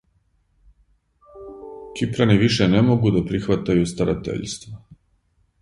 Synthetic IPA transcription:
kipɾaniʋiʃenemoɡud̪apɾixʋat̪ajust̪aɾa̰t̪ḛʎst̪ʋa

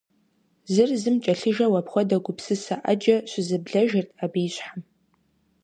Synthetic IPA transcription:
zɨrzɨmt͡ʃʼaɬɨʒawapʰχʷadaɡʷʊpʰsɨsaʔad͡ʒaʃʷɪzɨbɮaʒartʼabijɕʷħam

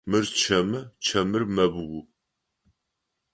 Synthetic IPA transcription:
mɨrt͡ʃʰɐmɨt͡ʃʰɐmɨrmɐbwu

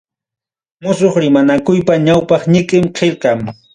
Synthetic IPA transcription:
mʊsoχɾɪmanakʊjpaɲawpɑχɲɪkʼɪmqʰeʎqɑŋ

